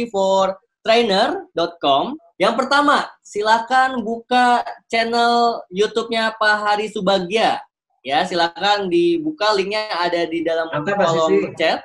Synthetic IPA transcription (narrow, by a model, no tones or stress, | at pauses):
ifɔr | t̪ɾenərdɔt̪̚kɔm | jaŋpərt̪amasilakanbukat͡ʃɛnəljut̪up̚ɲapaɦaɾisəbaɡia | jasilakandibukalɪŋɲaːdadidalamkɔlɔt͡ʃɛt̪̚